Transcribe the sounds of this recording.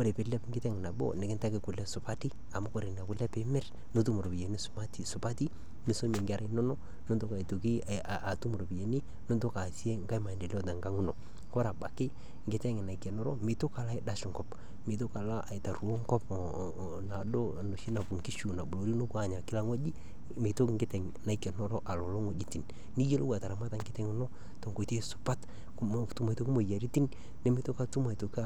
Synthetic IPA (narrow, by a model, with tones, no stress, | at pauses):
ko˦ɾe˨pɪ˨lɛ˦pŋɡɪ˦tɛ˦ŋɪ˨na˨bo̰˦nɪ˨kɪ˦nta˦kɪ˨kʊ˨lɛ˦sʊ˨pa˦ti˦ | a˨mu˦ko˦˨ɾe˨n˨a˨kʊ˨lɛ˦pɪ˦mɛ˦r | no˦t̬u˦mʊ˨ɾo˨pi˨e˨ni˦sma˦ti˨sʊ˨pa˦ti˦ | mɪ˨so˦me˨ŋɡɪ˦a˦ɾʔa˦nɔ˦nɔ˦ | nʊ˦ndo˦ka˨i˨tu˨ki˦˨ | a˨tu˦m˨ɾo˨pi˨je˨ni˦ | nʊ˦nto˦ka˨si˦e˦ŋɡa˦jma˨ndi˨lɔ˦ta˨ŋɡa˦ŋu˦no˨ | kɔ˦ɾa˨ba˨kɪ˦ | ŋɡɪ˨˦ta˦ŋɪ˨na˨i˨kɛ˨nɔ˦ɾɔ˦mi˨to˦ka˨la˦ɪ˨da˦ʃʊ˨ŋɡɔ˦p | mɪ˨t̬o˦ka˨la˦ʔa˨ɪ˨ta˨ɾu˨o˦ŋkɔ˦p | na˨do˦˨no˨ʃi˦na˨bu˨ŋki˦ʃu˨na˨bʊ˨lo˨ɾi˦no˦ka˦˨ɲa˨kɪ˦la˦ŋo˦d͡ʒi˦ | mɪ˨to˦kŋɡɪ˦tɛ˨ŋ | na˨i˦kɛ˨nɔ˦ɾɔ˦ʔa˨lɔ˨lo˦ŋo˨d͡ʒi˦ti˨n | ni˦je˦lo˦ɡwa˨ta˨ɾa˨ma˦ta˨ŋɡɪ˦tɛ˦ŋʊ˦nɔ˦ | to˨ŋɡo˨te˦sʊ̥˨pa˦t | tu˨ma˨to˨kɪ˦mo˨ja˨ɾi˦ti˦n | ne˦mɪ˨to˦ka˦tu˦ma˨i˨to˨ka˦